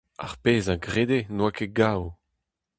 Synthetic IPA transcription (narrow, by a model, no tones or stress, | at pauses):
a̰ʁpeːzaɡʁed̪enwakeɡaːw